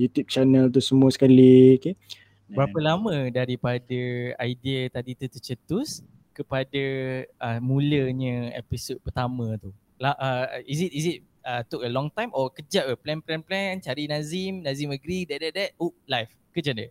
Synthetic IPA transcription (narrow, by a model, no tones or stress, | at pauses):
jut̪jup̚t͡ʃanəlt̪̬usəmũasə̥kalike | bbəɾapəlamə̃daɾipadaajdiat̪adit̪ut̪ət͡ʃət̪us | kəpadaəmũləɲə̃ɛ̰pisod̚pərt̪amə̃t̪u | laʔəizit̚izit̚ | ət̪ukəlɔŋt̪ajmʔɔkəd͡ʒaʔəplɛnplɛnplɛnt͡ʃaɾinãzimnãziməɡɾidɛʔ̚dɛʔ̚dɛt̚ulajf | kəd͡ʒaʔdə